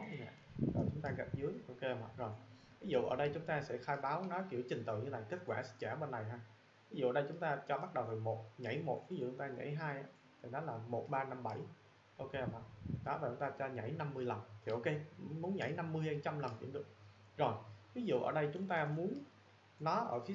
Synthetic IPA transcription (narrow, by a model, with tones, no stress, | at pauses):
ɔ˨˦˧a̰ː˧˨zɔː˨˩t͡ɕʊ˨˦ŋ͡mt̪aː˧ɣa˨˩p̚zɨ˨˦əjʔo˧ke˧hə˧˩ma̰˧˨˩zo˨˩j | vi˨˦zṵ˧˨ʔəː˧˩ɗə˧jt͡ɕʊ˨˦ŋ͡mt̪aː˧sɛ̰˧˥xaː˧jɓaː˨˦wnɔ˨˦jki˧˩əwt͡ɕï˨˩ŋ̟t̪ɨ̰˧˨ɲɨ˧na˨˩jke˦˥t̚kwaː˧˩st͡ɕaː˧˩ɓe˧nːa˨˩jɦaː˧ | vi˨˦zṵ˧˨əː˧˩ɗə˧jt͡ɕʊ˨˦ŋ͡mt̪aː˧t͡ɕɔ˧ɓa˦˥t̚ɗə˨˩wm˨˩mo˨˩t̚ɲa̰˧˩jmo˨˩t̚vi˨˦zṵ˧˨t͡ɕʊ˨˦ŋ͡mt̪aː˧ɲa̰˧˥˦jɦaː˧jʔaː˨˧˦ | t̪ʰi˨˩ɗɔ˨˦laː˨˩mo˨˩t̚ɓaː˧na˧mɓa˧˩j | ʔo˧ke˧hə˧˩mʔa̰˨˩ɗɔ˨˦vaː˨˩t͡ɕʊ˨˦ŋ͡mt̪aː˧t͡ɕɔ˧ɲa̰˧˩jna˧mːɨ˧əjlə˨˩nt̪ʰi˨˩ʔo˧ke˧˨mu˨˦ənɲa̰˧˩jna˧mːɨ˧əjha˧t͡ɕa˧mlə˨˩nt͡ɕḭ˧˥˦mɗɨ˨˩ək̚ | zo˨˩jvi˨˦zṵ˧˨ʔəː˧˩ɗə˧jt͡ɕʊ˨˦ŋ͡mt̪aː˧mu˨˦ən | nɔ˨˦ʔəː˧˩fi˨˦